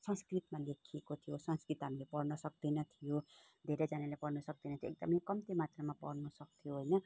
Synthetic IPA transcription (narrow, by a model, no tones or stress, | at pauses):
sʌ̃nskrit̪malekʰiekot̪ʰijosʌ̃nskrit̪ɦaɾulepʌrnʌsʌk̚d̪inʌt̪ʰijo | d̪ʱeɾed͡zanalapʌrnʌsʌk̚d̪ʌnʌt̪ʰjoekɡ̚d̪ʌmʌjkʌmt̪emat̪ramapʌ̰rnʌsʌk̚t̪ʰijoɦojnʌ